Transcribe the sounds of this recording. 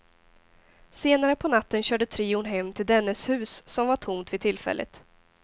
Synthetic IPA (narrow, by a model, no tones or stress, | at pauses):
seːnaɾəpʰɔnat̪ːənɕœːɖət̪ʰɾiːʊnɦɛmːt̪ʰɪld̪ɛnːəshʉ̟ːsːɔmvaʈʰʊmt̪vɪt̪ʰɪlːfɛ̰lʔə̰t̪